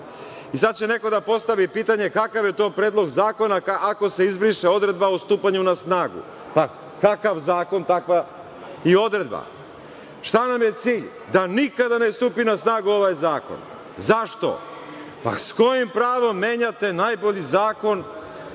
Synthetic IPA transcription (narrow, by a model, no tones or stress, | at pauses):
is̬ad̪̚t͡ɕe̞ne̞ko̞d̪apo̞st̪aʋipiːt̪aɲe̞kakaʋje̞t̪o̞ːpɾeːd̪lˠo̞ɡzaːko̞nakaʔako̞se̞izbɾiʃeo̞d̪ɾe̞d̪baost̪uːpaɲunasnaːɡṵ | pa | kakaʋzaːko̞nt̪akʋa | io̞d̪ɾe̞d̪̚ba̰ | ʃt̪anamje̞t̪siːʎ | d̪anikad̪anest̪uːpinasnaːɡuo̞ʋajzaːko̞̰n | zaʃt̪o̞̰ | pa̰sko̞jimpɾaːʋo̞mːe̞ːɲat̪e̞najbo̞ʎizaːko̞n